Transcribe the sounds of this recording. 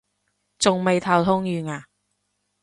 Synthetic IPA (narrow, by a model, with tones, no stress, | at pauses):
t͡sʊ˨ŋme˨jt̪ʰɐ˨wt̪ʰʊ˥ŋjyː˨ŋaː˨˩